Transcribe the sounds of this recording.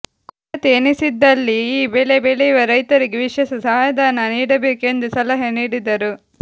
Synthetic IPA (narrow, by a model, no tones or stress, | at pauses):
kː | ɐt̪eːnisid̪ːɐlːiːbelebeleiʋɐɾɐjt̪ɐɾiɡeʋiʂɛsɐsɐajɐd̪ʱaːnɐniːɽɐbe̞ːke̞nd̪usɐlɐɦɐniːɽid̪ɐɾu